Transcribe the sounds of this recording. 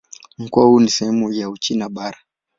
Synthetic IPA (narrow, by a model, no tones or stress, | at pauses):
m̩kuahunisɛhɛmujaut͡ʃinaɓaɾa